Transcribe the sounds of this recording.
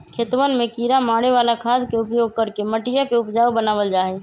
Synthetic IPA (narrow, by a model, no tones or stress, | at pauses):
kʰet̪ʋənmẽkiɾamaːɽeʋalakʰaːd̪keʊpjoɡ̚kəɾkeməʈijakeʊpd͡ʒaːbənaːʋəld͡ʒaɦɛ